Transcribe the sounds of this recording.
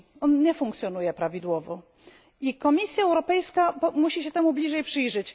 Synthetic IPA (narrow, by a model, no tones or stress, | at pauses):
ɔnɲɛfuŋkt̪sʲjɔnujɛpɾavʲid̪wɔvɔ | ikɔmʲisʲjaɛwɾɔpɛjskapmuɕiɕɛt̪ɛmublʲiʐɛjpʂɘjʐɘt͡ɕ